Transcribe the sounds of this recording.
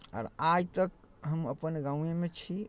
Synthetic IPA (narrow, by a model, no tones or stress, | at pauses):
a̰ːɾajt̪ək | ɦəməpənɡãũemet͡ʃʰi